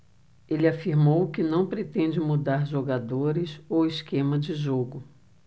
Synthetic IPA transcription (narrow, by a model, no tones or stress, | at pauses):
elɪafiɾmowkɪnɐ̃w̃pɾet̪ẽd͡ʒɪmud̪aɾʒoɡad̪oɾɪsowɪskẽmɐd͡ʒɪʒoɡʊ